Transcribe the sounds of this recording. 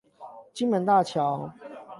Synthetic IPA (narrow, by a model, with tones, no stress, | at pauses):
t͡ɕi˥nmə˨˧˦nt̪a˥˩t͡ɕʰjɑ˨˦ʊ